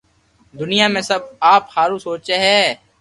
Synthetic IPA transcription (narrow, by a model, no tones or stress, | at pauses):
d̪ʊnijaːmẽsɐb̚aːpxaːɾusoːt͡ʃeɦɛː